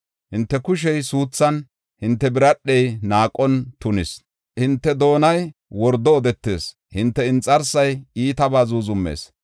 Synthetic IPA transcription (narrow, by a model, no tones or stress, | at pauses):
hɪnt̪ːɛkʊʃ̬ɛjsuːt͡sːɐn | hɪnt̪ːɛbɪɾɐɗːɛjnaːkʼɔnt̪ʊnɪs | hɪnt̪ːɛd̪o̞ːnɐjwɔɾd̪ɔːd̪ɛt̪ːe̞̰ːs | hɪnt̪ːɛɪnt͡sʼːɐɾsɐjiːt̪ɐbaːzuːzʊmːḛːs